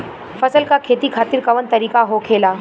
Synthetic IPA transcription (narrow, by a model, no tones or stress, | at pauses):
fəsəlkakʰet̪ikʰaːt̪iɾkɐʋənt̪əɾiːkaɦokʰeːlaː